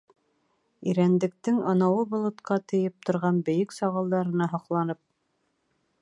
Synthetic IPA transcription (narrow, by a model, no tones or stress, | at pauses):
iɾænd̪ɘ̆k̚t̪ɘŋŏnɑwɤbŏlˠɤ̆t̪qɑt̪ɘ̆jɘp̚t̪ŏɾʁɑnbɘ̆jɘksɑʁɤ̆lˠd̪ɑɾɤ̆nɑɦɑqlˠɑnɤp̚